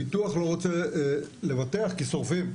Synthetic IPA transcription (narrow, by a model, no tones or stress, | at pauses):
it̪uaχloʁot͡sele̞vateaχkiso̞ʁfim